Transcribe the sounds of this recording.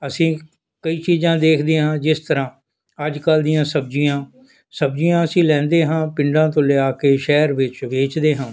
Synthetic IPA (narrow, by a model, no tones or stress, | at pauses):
əsĩː | kəiːt͡ʃiːzãːd̪eːkʰd̪eːɦãːd͡ʒɪst̪əɾãː | əd͡ʒkəld̪ɪjãːsəb̚d͡ʒijãː | səbd͡ʒijãːəsĩːlɛ̃ːnd̪eːɦãːpɪɳɖãːt̪̬õːlɪaːkeːʃɛːɾʋɪt͡ʃʋeːt͡ʃd̪eːɦãː